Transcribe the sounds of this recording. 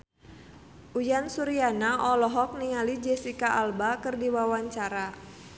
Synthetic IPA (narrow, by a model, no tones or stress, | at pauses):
ʔujansuɾianaʔɔlɔɦɔk̚niŋalid͡ʒɛsikaʔalbakɨrdiwawaɲt͡ʃaɾa